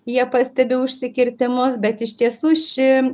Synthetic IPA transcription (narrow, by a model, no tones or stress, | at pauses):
jiɛpɐsʲt̪ʲɛbʲɪʊʃʲsʲɪkʲɪɾʲt̪ʲɪmʊsbʲɛt̪ɪʃʲt̪ʲiɛsuːʃʲɪ